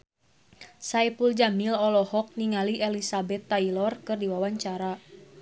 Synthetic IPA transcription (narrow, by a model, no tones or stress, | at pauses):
sajpuld͡ʒamilɔlɔhɔk̚niŋaliʔɛlisabɛt̪ːailɔrkɨrdiwawaɲt͡ʃaɾa